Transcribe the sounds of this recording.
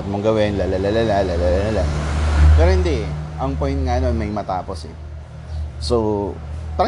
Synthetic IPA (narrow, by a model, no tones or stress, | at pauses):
ɐt̪̚moŋɡɐwɪnlalalalalalalalalalapɛːɾohɪnd̪iʔɐŋpojnt̪̚ŋɐʔɐno̞nmɐjmɐt̪aːpo̞sɛ̰ | so | t̪ɾɐ